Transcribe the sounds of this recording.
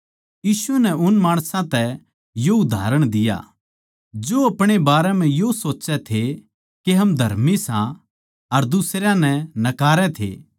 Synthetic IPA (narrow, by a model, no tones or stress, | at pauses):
jiːsʊʋɛnɛʊnmaːɽ̃sãt̪ɛ | joʊd̪ʱa̰ːɾəɽ̃d̪ɪja̰ | d͡ʒoɐpɽ̃ebaːɾɛmɛ̃josoːtːt͡ʃɛt̪ʰe | keɦɐmd̪ʱɐɾmisã | ɐɾd̪ʊsɾjãnɛnɐkaːɾɛt̪ʰḛː